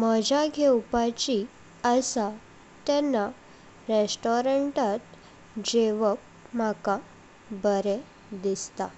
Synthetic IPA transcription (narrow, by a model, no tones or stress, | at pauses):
məd͡ʑaɡʱewpat͡ɕi | əsa | t̪ɛnːa | ɾesʈɔɾəɳʈat̪ | d͡ʑeʋəp̚ | m̤aka | bəɾe | d̪ist̪a